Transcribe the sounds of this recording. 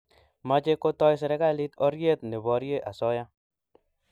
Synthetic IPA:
ma˨˦t͡ʃe˦ko˦tɔ˦js̬ɛ˨ɾɛ˦ɡa˦li˦t̪ɔ˦ɾje˦t̪̚ne˨bɔ˨ɾje˦ʔa̰˨sɔ˦ja˦

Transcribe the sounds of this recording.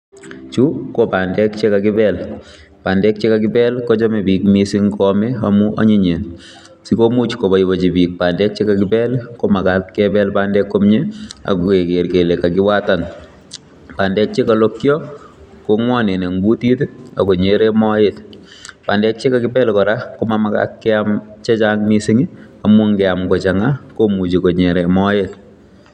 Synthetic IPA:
t͡ʃu˦ko˦pa˨ndɛ˦kt͡ʃe˦ka˨kɪ˦bɛl | pa˨ndɛ˦k̚t͡ʃe˦ka˨k̬ɪ˦bɛ˦lko˦t͡ʃɔ˦me˨pi˨kmisi˦ŋkɔme˦amu˦ʔa̰˦ɲi˦ɲe˨n | si˦ko˦mu˦t͡ʃko˨ba˨ibɔ˨t͡ʃi˨bi˨k̚pa˨ndɛ˦k̚t͡ʃe˦ka˨kɪbɛ˦lko˦ma˨katkɛbɛ˦lpandɛkːo˦mɲe˦a̰˨kue˨ke˨rke˨le˨ka˨kɪ˦wa˦ta˨n | paː˨ndɛ˦t͡ʃi˦kalo˦kjɔ | koŋwɔ˦ne˨ne˨ŋɡu˦ti˦ta̰˨ko˨ɲeɾemɔjet | pa˨ndɛ˦t͡ʃe˦ka˨kɪ˦pɛ˦lkɔ˨ɾakomamaka̰kːɛamt͡ʃɛ˦t͡ʃaŋmisi˦ŋi˦amu˦ŋɡɛa˨mko˨t͡ʃaŋakomu˨t͡ʃi˨ko˨ɲeɾemɔ˦jet

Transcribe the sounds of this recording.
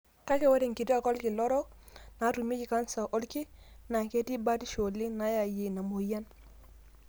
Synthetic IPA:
ka˦ke˦wa˦ɾɪ˨ŋkɪ˨ti˦a˨kɔ˦lkɪ˨lɔ˦ɾɔ˦k | na˨˦tu˨me˦kɪ˨ka˦nsa˨ʔo˦lkɪ˦ | na˨ke˦ti˦ba˦ti˦ʃo˨lːɪ˦na˦ja˨je˨na˨mo˨ja˦n

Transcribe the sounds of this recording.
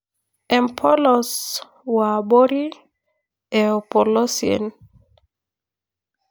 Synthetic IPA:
ɛ˨mpʰɔ˦lɔs | wa˨bo˦ɾi˦ | ɛo˨pɔ˨lɔ˦siɛ̰˨n

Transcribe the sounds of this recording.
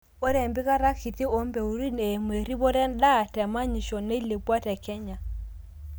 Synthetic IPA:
o˦ɾɛ˨mbi˦ka˦ɾa˦ki˨ti˦o˦mbɛ˨u˨ɾi˦ne˨mwe˨ɾi˦βo˦ɾɛ˦n˦da˦˨tɛ˨ma˦ɲi˨ʃɔ˨ne˦i˦le˨pwa˦tɛ˨kɛ˦ɲa˨

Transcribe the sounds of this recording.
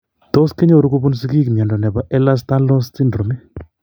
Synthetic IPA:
t̪o˦ske˦ɲo˦˨ɾu˦ku˦bu˦ns̬i˦ki˦kmjɛ˨ndɔ˨nɛ˨ba˨ʔɛ˦la˦sta˦lɔ˦sti˦ndɾo˨mi˦

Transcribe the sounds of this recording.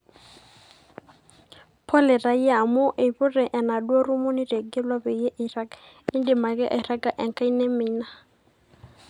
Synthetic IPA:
pʰɔ˦lɛ˨ra˨i˦a˨mʊ˦ʔɪ˨βʊ˦rɛ˨ʔɛ˨na˨dwa˦ru˦mʊ˦ni˦de˨ɡɛ˦lwa˦be˨je˦ʔi˨ra˦k | ɪ˦n˦di˨ma˨kɛ˦ʔa˨ɾa˦ka˨ʔɛ˨ŋ̩˨kʼa˦i˦ne˦mɪː˦na˨

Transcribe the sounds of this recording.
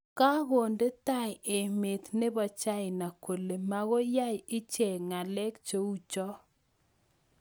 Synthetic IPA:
ka˦ɣo˨nde˦ta˦˨je˨me˨t̪ne˦bɔ˨t͡ʃa˦ɪ˨na˨ko˨le˨ma˦ɣo˦ja˦jɪ˦t͡ʃe˨ŋa˨lɛ˦kt͡ʃo˦u˦t͡ʃɔ˦

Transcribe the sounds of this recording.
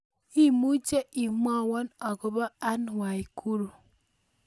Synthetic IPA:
i˦mu˦t͡ʃe˦i˨m˦ɔ˦˨wɔ˦nɔ˨ɡo˨ba˦a˦n˨wa˨i˨kʰu˦ɾu˨

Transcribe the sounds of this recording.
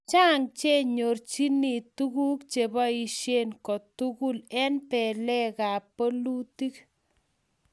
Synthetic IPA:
t͡ʃaː˦ŋt͡ʃe˦ɲo˨rt͡ʃi˦ni˨tu˦ɣu˦kt͡ʃe˨bɔ˦i˨ʃe˦nkɔ˨tu˦ku˦lɛ˦npɛ˨lɛ˦ka˨po˦lu˦ti˦k

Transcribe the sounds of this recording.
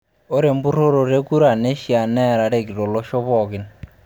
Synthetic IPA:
o˦ɾe˨mbu˦ɾo˦ɾɔ˨ɾe˦ku˦ɾa˨ne˦ʃi˨a˨nɛ˦ɾa˨ɾe˨ki˨ɾɔ˨lɔ˦ʃɔ˦βɔ˨ki˨n

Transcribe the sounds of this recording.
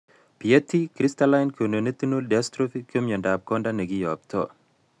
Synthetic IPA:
pi˨je˦t̪ʰːi˦kɾist̪ala˦jnko˨ne˨ne˦t̪i˦nodɛ˨astɾofikomjɔ˨ndap̚kɔndane˨ɡi˦jɔp̚t̪ɔ

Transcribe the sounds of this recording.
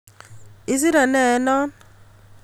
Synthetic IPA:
i˨z̬i˦ɾa˨nɛ˨˦nɔ˦n

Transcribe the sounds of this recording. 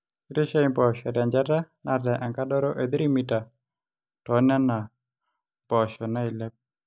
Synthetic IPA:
ɾe˦ʃa˦imbɔ˨ʃɔ˨ɾa˨ɲd͡ʒa˦ta˦na˦dɛ˨ʔa˨ŋka˦dɔ˦ɾɔ˦ʔe˨d̪ɾi˦mita˨ | tɔ˦na˦na˨ | bɔ˨ʃɔ˨na˦i˨lɛ˦p̚

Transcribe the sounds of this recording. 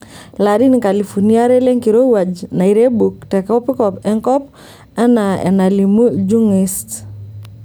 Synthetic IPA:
laɾi˦nika˨lifu˨nia˦ɾɛ˦le˦ŋki˨ɾo˦wa˨d͡ʒna˨iɾe˦buk̚tɛ˨kɔ˦pi˦kɔpɛ˦ŋkɔ˦p̚ | a˦naɛ̰˨nalimu˦d͡ʒu˦ŋist

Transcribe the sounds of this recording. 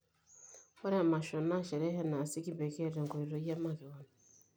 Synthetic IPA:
wa˦ɾɛ˦a˨ma˨ʃɔ˨na˦ʃɛ˨ɾɛ˦ɦɛ˦na˨si˦ki˦be˨ke˦˨ɾe˨ŋɡo˨i˨ɾo˨˦ja˦ma˦˨ke˨wa˨na˨

